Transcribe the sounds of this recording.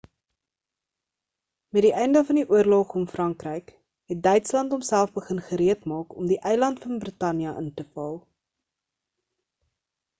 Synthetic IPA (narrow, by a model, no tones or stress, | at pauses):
mɛtdiʔɛjndəfɐndiʔuərloχɔmfrɐŋkrəjk | ɦɛt̚dœɥtslɐntɔmsælˠfbəχənχəɾiətmɑːkɔmdiʔɛjlɐntfɐnbrətɐnjɐʔəntəfɐlˠ